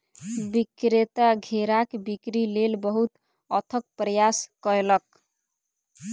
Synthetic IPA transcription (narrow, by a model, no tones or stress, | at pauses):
bikɾet̪aɡʱeɾakbikɾilelbʌɦut̪ | ʌt̪ʰʌk̚pɾəjaskʌɾelʌk̚